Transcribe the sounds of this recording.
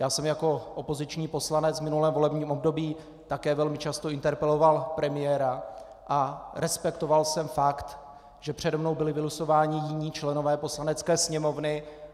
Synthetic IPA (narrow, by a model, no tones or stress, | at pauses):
jaːsɛmjako̞ʔopo̞zɪt͡ʃɲiːpo̞slanɛt͡svmɪnulɛːmvo̞lɛbɲiːmo̞b̚do̞biː | t̪akɛːvɛlmɪt͡ʃast̪o̞ɪnt̪ɛɾpɛlo̞valpɾɛmɪjɛːɾa | ʔaɾɛspɛkt̪o̞valsɛmfakt̪ | ʒ̥ɛpr̝̥ɛdmnowbɪlɪvɪluso̞vaːɲɪjɪɲiːt͡ʃlɛno̞vɛːpo̞slanɛt͡skɛːsɲɛmo̞vnɪ